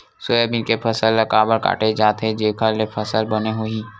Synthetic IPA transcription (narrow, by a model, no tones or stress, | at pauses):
sʊebɪlkepʰəsəlːɐkaːbəɾka̰ːʈed͡ʒaːt̪ɦed͡ʒeːkʰalepʰəsəlbəneɦoiː